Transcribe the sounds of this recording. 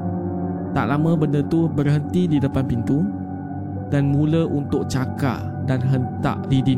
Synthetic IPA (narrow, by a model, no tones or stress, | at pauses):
t̪a̰ʔlamə̃bəndət̪ubərɦənt̪ididəpanpint̪u | danmũləʔunt̪ʊk̚t͡ʃaka̰ʔ | danɦənt̪a̰ʔdidi